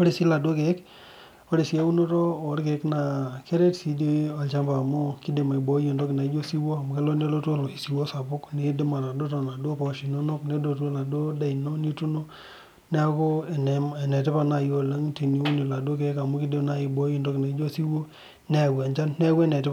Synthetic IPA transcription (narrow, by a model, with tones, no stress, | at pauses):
o˦ɾi˦˨si˦la˨do˦ke˨˦k | o˦ɾi˨si˦e˦u˦no˦to˦o˨˦ɾke˨˦kna˨ke˦ɾe˦tsi˨˦de˦o˨t͡ʃa˦mba˨mʊ˦ki˦de˨ma˨i˨bo˨˦ji˨ndo˦kɪ˨na˨i˦d͡ʒo˦si˦wo˦˨mu˨ke˦lo˦ne˦lo˦two˦lo˨i˨si˨wo˦sa˨bʊ˦kne˨˦de˦ma˨na˨do˦tɔ˨na˨do˦pɔ˨ʃi˨no˦no˦kne˨˦do˨to˦la˨do˦da˨i˨no˦ni˦tu˦no˦ | n˦a˦ko˦˨n˨me˨nɛ˨tɪ˦pa˨na˨jo˨le˦ŋti˨ni˨˦u˦ni˨la˨do˦ke˨˦ka˨mu˦ki˦de˦na˦i˨bo˦ji˦˨ndo˦kna˨i˦d͡ʒo˦si˦wo˦ | ne˦˨wɛ˨ɲt͡ʃa˦nnɛ˦we˦nɛ˨tɪ˦p